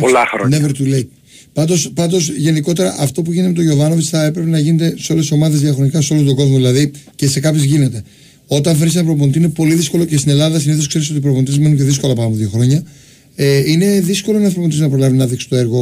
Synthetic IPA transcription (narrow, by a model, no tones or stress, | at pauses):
polɐxɾoneveɾt̪ulei | pɐnd̪o̞spɐnd̪o̞sʝe̞niko̞t̪e̞ɾɐʔɐft̪o̞puʝineeme̞t̪oʝovɐnovisθɐe̞pɾe̞pe̞nɐʝine̞t̪e̞seo̞lesiso̞mɐðe̞zðiɐxɾonikɐso̞lot̪oɡo̞zmoðilɐðice̞se̞kɐpçozʝine̞t̪e̞ | o̞t̪ɐɱfɾisɐnɐpɾop̬ont̪inepo̞liðisko̞lo̞ce̞st̪ine̞lɐðɐsiniθoskse̞ɾis̬o̞t̪ipɾopnit̪iemenunceðisko̞lɐpɐɐmðjo̞xɾo̞ɲɐ | eine̞ðisko̞lo̞nɐθɾopot̪isnɐpɾo̞lɐvinɐðiksi̥t̪oe̞ɾɣo̞